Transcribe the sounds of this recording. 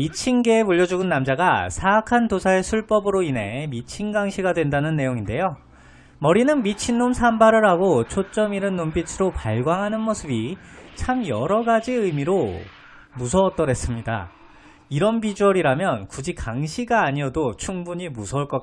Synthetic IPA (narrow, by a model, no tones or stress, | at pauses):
mit͡ɕʰinɡe̞ːpuʎːʌd͡ʑuɡɯnːamd͡ʑaɡasʰaːkʰandosʰae̞sʰuɭp͈ʌbɯɾoine̞mit͡ɕʰinɡaŋɕʰiɡadwe̞ndanɯnːe̞joŋinde̞jo | mʌɾinɯnmit͡ɕʰinːomsʰambaɾɯɾɦaɡot͡ɕʰot͡ɕ͈ʌmiɾɯnːompit͡ɕʰɯɾopaɭɡwaŋɦanɯnmosʰɯbit͡ɕʰamjʌɾʌɡad͡ʑiɯmiɾo | musʰʌːt͈ʌɾe̞s͈ɯmɲida̰ | iɾʌnbid͡ʑuʌɾiɾamjʌnkud͡ʑikaŋɕʰiɡaːɲiʌdot͡ɕʰuŋbuɲimusʰʌɭk͈ʌ